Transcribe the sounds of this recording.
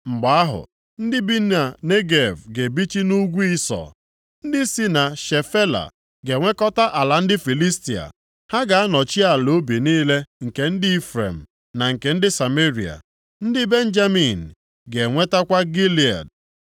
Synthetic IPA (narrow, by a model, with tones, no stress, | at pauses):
ŋ͡m̩˨ɡ͡ba˨a˦ɦʊ̰˨ | n̩˦dɪ˦bi˦n˦a˨ne˦ɡe˨vɡe˨bi˦t͡ʃi˦nu˦ɡʷu˦i˦sɔ̰˨ | n̩˦dɪ˦si˦na˨ʃe˨fe˦la̰˨ | ɡe˨ŋʷe˦kɔ˦ta˦ʔa˨la˨n̩˦dɪ˦fi˨li˦sti˨a̰˨ | ha˦ɡa˨a˦nɔ˨t͡ʃi˦a˨lo˦bi˨niː˦le˦ŋ̩˨ke˨n̩˦dɪ˦i˦fɾḛ˨m̩˨ | na˨ŋ̩˨ke˨n̩˦dɪ˦sa˨me˦ɾi˨a̰˨ | n̩˦dɪ˦be˦n̩˦d͡ʒa˦mi˨n̩˨ | ɡe˨ŋʷe˦ta˦kʷa˦ɡi˦li˨a̰˨d